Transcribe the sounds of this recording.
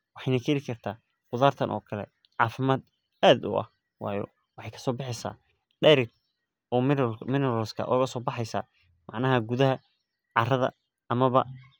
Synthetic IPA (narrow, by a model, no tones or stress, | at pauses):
wɑħɑjnɐkʰɛɾɪkʰɐrt̪ʰaː | qʊðaːrt̪ʰɐnʔɔ̰ːkʰɐlɛ̰ | ʕɑːfɪmaːd̪̚ | aːd̪ʊ̰ʔɐ̰h | wɑ̰ːjɔ̰ | wɑħɑjkʰɐ̥sɔːbɑħɪsa̰ː | ɖɛɾɪɡ | ɔːmɪnɛɾɔːskʰɐ̰ʔɔɣɐsɔːbɑħɑjsa̰ː | mʔɑʕnɐɦɐɡuðɐɦɐ | ʕɑrɐðɐ̰ | ɐmɐβɐ̰